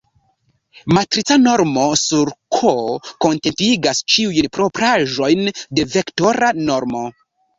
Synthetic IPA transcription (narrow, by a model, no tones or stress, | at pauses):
matɾit͡sano̞ɾmo̞suɾkʰoko̞ntentiɡast͡ʃiujnpɾo̞pɾaʒo̞jnde̞ve̞kto̞ɾano̞ɾmo̞